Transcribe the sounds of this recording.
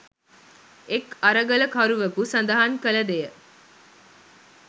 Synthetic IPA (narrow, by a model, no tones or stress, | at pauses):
ekɐɾəɡələkɐɾuʋɐkusɐnd̪ɐɦɐŋkəlɐd̪ejə